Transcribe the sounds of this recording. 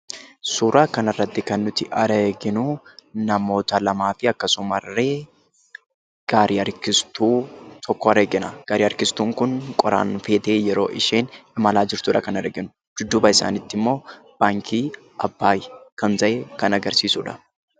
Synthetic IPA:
suːɾaːkɐnɐrːɐt̪ːɪkɐnːʊt̪ɪʔɐɾeɡɪnʊnɐmo̞ːt̪ɐlɐmaːfɪɐkːɐsʊmɐrːeː | ɡ̥aːɾiɐɾkɪst̪uːt̪ʰɔkːoɐɾeːɡɪnɐɡ̥aːɾiːɐɾkɪst̪uːŋkʊnkʼɔɾa̰ːnfe̞ːt̪eːjɛɾo̞̰ːʔɪʃeːnɪmɐlaːd͡ʒɪɾt̪uːᶑɐ̰kɐnɐɾeːɡɪnʊ | d͡ʒʊd̪ːuːbɐɪsa̰ːnɪt̪ːɪmːo̞ː | b̥aːŋkʰiː | ɐbːaːjkɐnt̪ɐʔekɐnɐɡɐɾsiːsuᶑɐ̥

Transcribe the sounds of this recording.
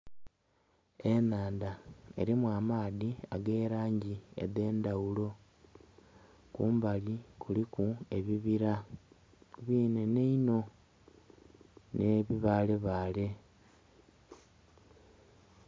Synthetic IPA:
e̞naːndae̞̰ɾimwaːmaːðiaɡe̞ːɾaːɲɟiḛde̞ːndawulo̞ | kuːmbalikulikue̞βiβiɾa | βiːne̞neino̞ | ne̞βiβaːleβaːle̞

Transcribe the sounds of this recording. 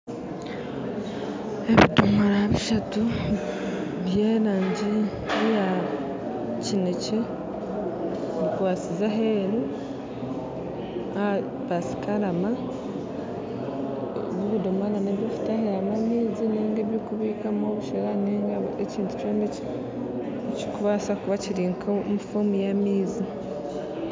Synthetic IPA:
eβḭdomaɾaβiʃatu | βjeːnaːɲɟi | βija | cinece | βikwaːsizaɦeːɾu | a | βasi̥kaɾama | βuβudomananeβjofu̥tahijamamiːzineːŋɡeβjokuβiːkamoβuʃeɾaneːŋɡaeciːntu̥t͡ʃoːnece | ci̥kuβasakuβaciɾiŋkʰomufomijamiːzi

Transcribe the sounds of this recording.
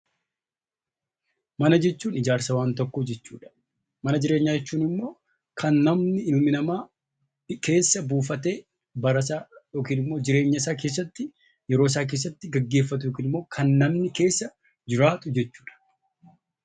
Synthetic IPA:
mɐnɐd͡ʒɛt͡ʃːuːnɪd͡ʒaːɾsɐwaːnt̪ɔkːɔd͡ʒɛt͡ʃːṵːᶑɐ̥ | mɐnɐd͡ʒɪɾe̞ːɲːaːd͡ʒɛt͡ʃːuːnɪmːo̞ː | kʰɐnːɐmnɪɪʊmɪnɐmaː | ke̞ːsːɐbuːfɐt̪e̞ː | bɐɾɐsaːjo̞ːkiːnɪmːo̞ːd͡ʒɪɾe̞ːɲːɐɪsaːk̬e̞ːs̬ːɐt̪ːɪ | jɛɾoːs̬aːk̬e̞ːs̬ːɐt̪ːɪɡɐɡːe̞ːfːɐt̪̬ʊjoːkiːnɪmːo̞ːkʰɐnːɐmnɪke̞ːsːɐ | d͡ʒɪɾaːt̪ʊd͡ʒɛt͡ʃːu̥ːᶑɐ̥

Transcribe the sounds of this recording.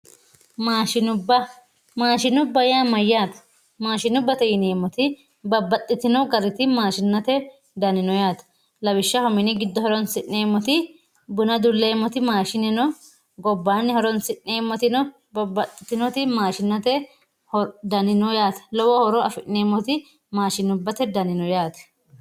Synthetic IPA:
maːʃɪnʊbːɐ | maːʃɪnʊbːɐjaːmɐjːaːt̪ɐ̥ | maːʃɪnʊbːɐt̪ɐjɪneːmːɔt̪ɪ | bɐbːɐt̪ʼːɪt̪ɪnɔɡɐɾɪt̪ɪmaːʃɪnːɐt̪ɛ | d̪ɐnɪnɔjaːt̪ɐ̥ | lɐbɪʃːɐhɔmɪnɪɡɪd̪ːɔhɔɾɔnsɪʔːeːmːɔt̪ɪ | bʊnɐd̪ʊlːeːmːɔt̪ɪmaːʃɪnɪnɔ | ɡɔbːaːnːɪhɔɾɔnsɪnːeːmːɔt̪ɪnɔ | bɐbːɐt̪ʼːɪt̪ɪnɔt̪ɪmaːʃɪnːɐt̪ɛ | hɔd̪ɐnɪnɔjaːt̪ɐ̥lɔwɔhɔɾɔɐfɪʔnːeːmːɔt̪ɪ | maːʃɪnʊbːɐt̪ɛd̪ɐnɪnɔjaːt̪ɐ̥

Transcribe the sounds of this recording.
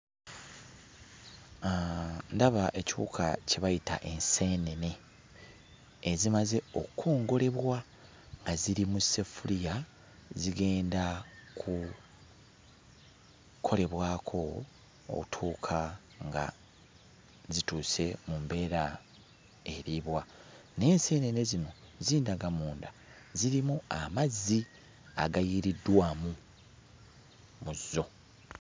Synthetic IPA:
ndaβaʔe̞cṵkʰa̰ceβajita̰ʔe̞nseːnene̞ | zimaze̞o̞kʰoːŋɡo̞le̞βwa | ŋɡaziɾimuse̞fulija | ziɡe̞ːndakʰu | kʰo̞le̞βwaːkʰo̞̰ː | kutʰuːkʰa | ŋɡa̰ | zituːse̞mumbe̞ːɾa | e̞ɾiβwane̞ːnsene̞nezino̞ziːndaɡamuːnda | ziɾimuamazːi | a̰ɡajiɾidwaːmu | muzːo̞

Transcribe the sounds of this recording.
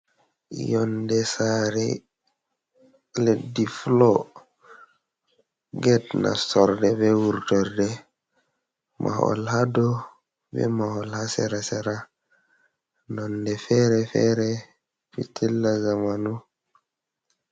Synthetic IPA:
jɔndɛsaɾɛ̰ | ledːiflɔ | ɡɛtna̰sɔɾdɛbɛwuɾtɔɾdɛ | mʔa̰hɔ̰lhadɔ | bɛ̰mahɔlhasɛɾasɛɾa | nɔndɛfɛɾɛfɛ̰ɾɛ | pḭtʰilːazamanu

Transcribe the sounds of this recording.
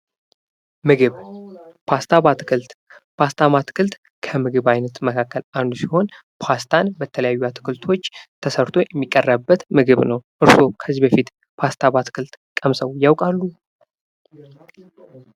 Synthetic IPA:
mɨɡɨβpʰast̪ʰaβat̪ɨ̥kʰɨlt̪ | pʰast̪ʰamat̪ʰɨ̥kʰɨlt̪ | kʰəmɨɡɨβajnət̪məkʰakːəland̪usiho̞n | pʰast̪ʰanbət̪ʰələjajːuat̪ʰɨ̥kʰɨlt̪ʰo̞t͡ʃːt̪ʰəsəɾt̪ʰo̞jɛmːikʼːərːəbːət̪mɨɡɨβnəwʔɨɾso̞kʰəzibəfit̪ | pʰast̪ʰaβat̪ʰɨ̥kʰɨlt̪kʼəmsəwjawkʼalːu

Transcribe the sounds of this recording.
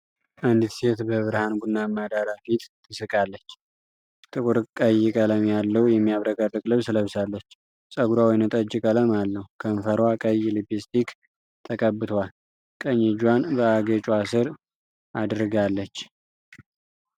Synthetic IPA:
ʔand̪it̪set̪bəβɨɾɨhanɡunːamad̪aɾafit̪ʼːʰ | ɨsɨkʼalːət͡ʃː | t̪ʼɨkʼuɾkʼəjɪkʼələmjalːəhujɛmːijaβɾəkʼərɨkʼlɨβsləβsalːət͡ʃː | sʼəɡuɾawɔjnət̪ʼəd͡ʒɪkʼələmalːəhukʰəmfəɾwakʼəjɪlibist̪ʰik | t̪ʰəkʼəbɨt̪ʰoal | kʼəɲːɛd͡ʒwanbəaɡət͡ʃʼuasɨɾ | ʔad̪ɾɨɡalːət͡ʃː

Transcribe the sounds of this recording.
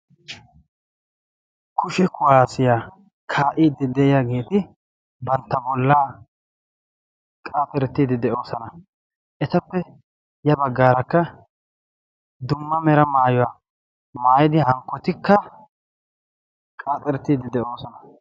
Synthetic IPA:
kʰʊʃɛkʰʊwaːsɪjaː | kʰaːʔiːd̪ːɪd̪ɛʔɪjaɡe̞ːt̪ɪ | bɐnt̪ːɐbɔlːaː | kʼaːt̪ɛɾɛt̪ːiːd̪ɪd̪ɛʔo̞ːsɐnɐ | ʔɛt̪ɐpːɛ | jɐbɐɡːaːɾɐkːɐ | d̪ʊmːɐmɛɾɐmaːjɔwaː | maːjɪd̪ɪhɐŋkːɔt̪ɪkːɐ | kʼaːt̪ʼɛɾɛt̪ːiːd̪ɪd̪ɛʔo̞ːsɔnɐ

